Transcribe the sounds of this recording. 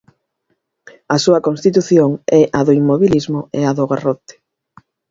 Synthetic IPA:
ɐsuɐkonst̪it̪̬uθjoŋɛʔaðʊimːoβilizmʊeaðoɣarot̪e̥

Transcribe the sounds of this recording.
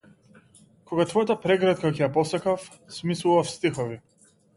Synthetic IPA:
kʰɔɡat̪vɔjat̪apɾɛɡɾat̪kakɛjapɔsakaf | smislˠuvafst̪ixɔvi

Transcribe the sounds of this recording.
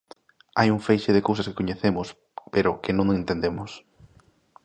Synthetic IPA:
a̰juŋfejʃeðekowsɐske̥koɲeθemʊs | peɾʊkɪnõŋẽnt̪end̪emʊs

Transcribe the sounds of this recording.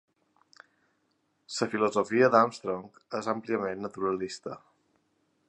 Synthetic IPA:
səfiluzofiəd̪amst̪ɾoŋkezəmpliəmenːət̪uɾəlist̪ə

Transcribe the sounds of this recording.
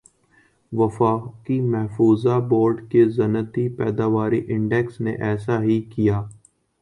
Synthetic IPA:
ʋəfaːkimɛɦfuːzaboːɾɖkezɐnət̪ipɛːd̪aːʋaːɾiʔɪ̃ɳɖɛksnḛʔɛːsaɦikijaː

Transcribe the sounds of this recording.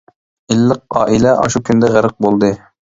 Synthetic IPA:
ilːəq̚ɑːʔilɛʔɑ̰ʃukʲʰynd̪ɛʁæɾəq̚bolˠd̪ɨ

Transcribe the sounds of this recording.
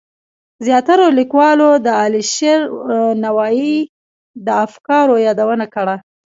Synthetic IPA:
zjɑt̪aɾolikwɑlod̪əɑliʃeɾnawɑi | d̪əafkɑɾojɑd̪awənakəɽa

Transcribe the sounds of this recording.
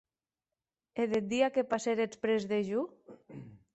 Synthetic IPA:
eðed̪iakepaseɾet͡spɾezðeʒu

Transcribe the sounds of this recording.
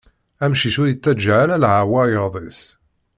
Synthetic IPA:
æmʃisʊɾit͡sːæd͡ʒʕalælʕawæɾjəɾˤðˤis

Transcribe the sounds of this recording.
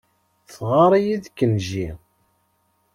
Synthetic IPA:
θʁɑɾˤijiðkːənʒi

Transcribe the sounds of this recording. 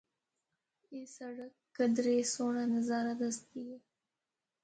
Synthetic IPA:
esaɽakːəd̪ɾesoɳanazɑɾad̪ast̪̚iɡi

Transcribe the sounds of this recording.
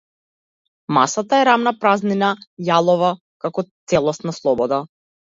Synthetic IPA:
masat̪aɛɾamnapɾazninajalˠɔva | kakɔt̪sɛlˠɔst̪naslˠɔbɔd̪a

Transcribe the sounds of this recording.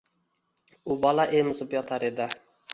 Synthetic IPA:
ʊbɒlaʔejmɪzɪpjɒt̪ʰaɾed̪ɪ

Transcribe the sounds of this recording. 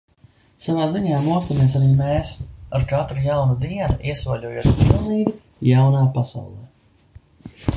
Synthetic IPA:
savaːziɲaːmuɔst̪ameɛs̬aɾiːmeːsaɾkat̪ɾujawnud̪iɛnaʔiɛsvaʎʲuɔjṵːt̪pilˠniːɡʲi | jawnaːpasa̰wlˠɛː

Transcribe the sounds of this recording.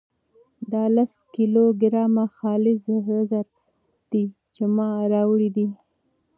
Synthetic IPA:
d̪ɑlaskiloɡɪɾɑmaxɑlɪzɦazaɾ | d̪̥i | t͡ʃemɑɾɑwɽid̪i

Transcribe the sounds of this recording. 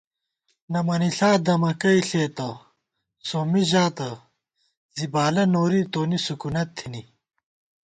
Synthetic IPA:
nɐmɐniɬaːd̪ɐmɐkɐiɬeːt̪ɐ | soːmiʑaːt̪ɐ | zibaːlɐnoːɾit̪oːnisukunɐt̪ʰːini

